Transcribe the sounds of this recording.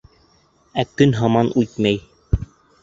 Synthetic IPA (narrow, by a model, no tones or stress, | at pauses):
ækɵnɦɑmɑnʉjt̪mæj